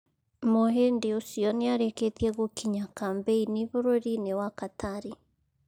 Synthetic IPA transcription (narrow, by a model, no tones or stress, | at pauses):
moɦendeosiɔneaɾeket̪iɛɣokʰiɲakambeiniβoɾoɾinewakatʰaɾi